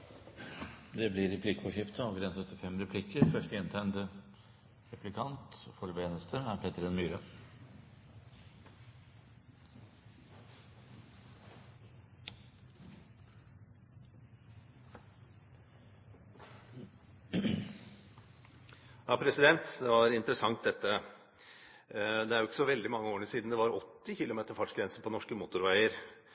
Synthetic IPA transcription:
d̪ɛblɪɾɛpʰlɪkfɔʂɪpt̪ʰəɑʋɡɾɛnsœt̪ːɪfɛmɾɛpʰlɪkːəɾfœʂʈəɪnt̪ʰænd̪ə | ɾɛpʰlɪkʰɑnt̪fɔɾʋeːnəst̪ʰəæɾpʰɛːt̪əɾɛnmyːɾə | jɑːpʰɾɛsɪd̪ɛnt̪d̪ɛʋɑɾɪnt̪ɾəsɑŋt̪̚d̪ɛt̪ːə | d̪ɛæɾjʊʊkːə̥sɔʋɛld̪ɪmɑŋːəoːɾɳəʂiːd̪nd̪ɛʋɑɾɔt̪ːɪçɪlʊmeːt̪əɾfɑʈʂɡɾɛnsənpʰɔnɔʂkəmuːt̪ʊɾʋæɪəɾ

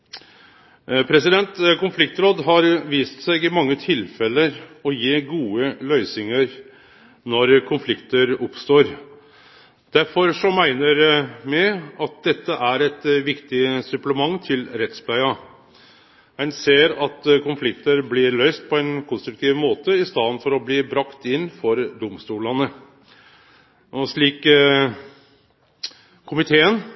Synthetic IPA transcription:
pʰɾɛsɪd̪ɛnt̪kʊnflɪk̚t̪ɾoːd̪ɦɑɾʋiːst̪sæɪɡɪmɑŋːət̪ʰɪlfɛləɾɔjeːɡuːəlœʏsɪŋəɾ | nɔɾkʰʊnflɪkt̪əɾʊpst̪oːɾ | d̪̥æɾfɔɾʂɔmmæɪnəɾmɛɑt̪̚d̪ɛt̪ːəʔæɾɛt̪ʋɪkt̪ɪsʉpləmɑŋːt̪ʰɪlɾɛt̪spʰlæɪɑ | mæɪnseːɾɑt̪kʊnflɪkt̪əɾblɪːɾɭœʏst̪̚pʰɔɛnkʰʊnst̪ɾʉk̚t̪ʰiːʋmoːt̪əɪst̪ɑːd̪nfɔɾɔbliːbɾɑkt̪ɪnːfɔɾd̪ʊmst̪uːlɑnə | ʔɔʂɭiːk | ʊmɪt̪ʰeːən

